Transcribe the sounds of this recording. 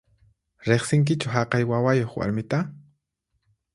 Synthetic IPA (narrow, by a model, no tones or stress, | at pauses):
ɾeχsɪŋk̬ɪt͡ʃʊɦaqɑjwawajoχwa̰ɾmɪt̪a